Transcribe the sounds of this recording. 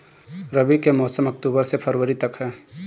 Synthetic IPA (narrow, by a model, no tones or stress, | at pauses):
ɾɐbikemɔːsəmɐk̚t̪uːbəɾsepʰɐɾwəɾit̪ɐkɦɛː